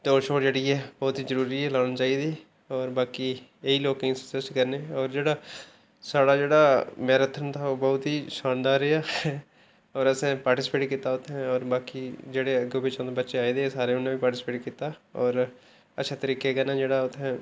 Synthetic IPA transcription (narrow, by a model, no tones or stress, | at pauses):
d̪oːʃoːʈd͡ʒeːɽiːɦɛːbɔːt̪ɦiːzəɾuːɾiːɦɛːlaːɽ̃aːt͡ʃaːid̪iː | ɔːɾbaːkiːeiːloːkɪ̃ːsə̥səsʈkəɾneːɔːɾd͡ʒeːɽaː | saːɽaːd͡ʒeːɽaːmɛːɾət̪ʰənt̪ʰaːoːbɔːʊt̪ɦiːʃaːnd̪aːɾeːaːɛ | ɔːɾəsɛ̃ːpaːɾʈɪsɪ̥peːʈkiːt̪aːʊt̪ʰɦɛ̃ɔːɾbaːkiːd͡ʒeːɽeːəɡoːbit͡ʃãːd̪ebətːʃeaːiːd̪eːɛsaːɾeːʊnːẽːʋiːpaːɾʈɪspeːʈkiːt̪aːɔːɾ | əːʃʰaːt̪əɾiːkekənaːd͡ʒeːɽaːʊt̪ʰɦɛ̃ː